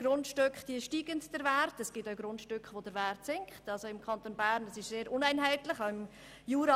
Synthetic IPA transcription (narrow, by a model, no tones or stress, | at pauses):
ɡ̥ɾʊntʃtøkχd̥iəʃtiːɡəntd̥əɾvæɾrtɛsɡ̥ɪtaʊɡɾʊntʃtʏkχʋodəɾværtsɪŋkχtɑlsoɪmkʰχɑnt̪onbæːɾndɑsɪʃseːɾʔʊnæɪnɦæɪtlɪχaʊɪm | juːɾɑ